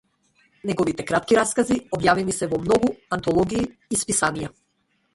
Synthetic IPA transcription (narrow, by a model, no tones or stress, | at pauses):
nɛɡɔvit̪ɛkɾat̪kiɾaskaziɔbjavimisɛvɔmnɔɡuant̪ɔlˠɔɡiː | spisanija